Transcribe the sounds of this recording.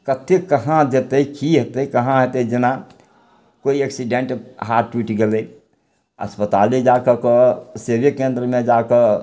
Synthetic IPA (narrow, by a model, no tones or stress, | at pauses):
kət̪ʰekəɦãd͡ʒet̪eikiɦet̪eikəɦãɦet̪eid͡ʒena | koieksiɖẽɳʈɦaɾʈwiʈɡele | ə̰spət̪alid͡ʒakəkəsebjəkẽnd̪ɾəmẽd͡ʒakə